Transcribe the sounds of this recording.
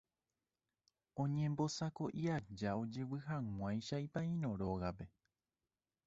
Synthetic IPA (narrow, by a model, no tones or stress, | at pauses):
õ̞ɲẽ̞mbo̞sako̞ʔiad͡ʒao̞d͡ʒewɨɦãŋ̃ãjʃajpãĩɾõɾo̞ɣape̞